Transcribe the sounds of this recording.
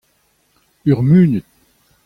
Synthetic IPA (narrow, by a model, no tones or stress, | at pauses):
yʁmyːnət̪̚